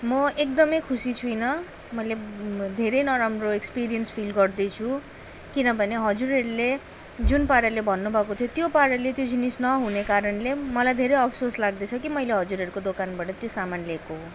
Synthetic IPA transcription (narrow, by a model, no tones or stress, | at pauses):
mʌek̚d̪ʌmʌjkʰusit͡sʰujnʌ | mʌjled̪ʱeɾejnʌɾamroekspiɾijʌnspʰilɡʌrd̪ʌjt͡sʰu | kinʌbʱʌneɦʌd͡zuɾeɾule | d͡zunpaɾjʌlebʱʌnːubʱʌkot̪ʰjot̪jopaɾʌlet̪jod͡zinisnʌɦunekaɾʌnlemʌlajd̪ʱeɾʌjʌpʰsorslaɡ̚d̪et͡sʰʌkimʌjleɦʌd͡zuɾeɾukod̪okanbaʈʌt̪josamanlekoɦo